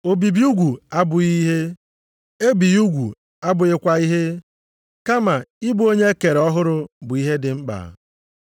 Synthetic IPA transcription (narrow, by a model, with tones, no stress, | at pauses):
o˨bi˨bi˦u˦ɡʷu˨a˦bʊ˨i˦ɦe˦ | e˦bi˨ju˦ɡʷu˨ | a˦bʊ˨ɪ˦kʷa˨i˦ɦe˦ | ka˦ma˨ɪ˦bu˦o˦ɲe˦e˦ke˨ɾe˨ɔ˦ɦʊ˦ɾʊ˦bʊ˨i˦ɦe˦dɪ˨ŋ͡m̩˦k͡pa̰ː˨